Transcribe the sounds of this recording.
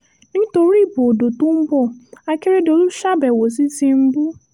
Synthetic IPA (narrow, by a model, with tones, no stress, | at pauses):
nĩ˦to˨˦ɾi˦˨bo˨do˨tũ˦m̩˦bɔ˦˨a˨ke˦ɾe˦do˨lu˦ʃa˦bɛ˨wo˨si˦zi˦m̩˦bu˦